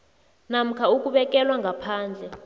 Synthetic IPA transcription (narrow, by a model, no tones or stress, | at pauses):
nam̩kʰauk̬ʼuɓɛk̬ʼɛlwaŋɡʱapʰaːnd͡ɮʱɛ